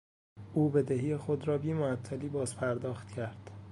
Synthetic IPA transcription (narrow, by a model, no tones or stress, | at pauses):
ʔuːbe̞d̪ehiːjexod̪ɾɒːbiːmoæt̪ʰːæliːbɒːzpʰæɾd̪ɒːxt̪cʰæɾd̪̥